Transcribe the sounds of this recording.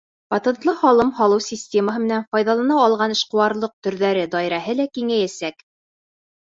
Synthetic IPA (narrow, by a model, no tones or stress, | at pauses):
pɑt̪ɤ̆nt̪lˠɤhɑlˠɤmhɑlˠɤwsʲisʲtʲeməɦɤmɘ̆nænfɑjðɑlˠɑnɑːlˠʁɑnɘ̆ʃqɤ̆wɑɾlˠɤq̚t̪ɵ̆ɾðæɾɘd̪ɑjɾɑɦɤlækiŋæjæsæk